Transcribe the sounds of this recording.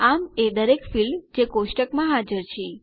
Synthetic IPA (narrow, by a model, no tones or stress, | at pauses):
amed̪əɾekfilmd͡ʒekosʈəkmãɦad͡ʒəɾt͡ʃʰe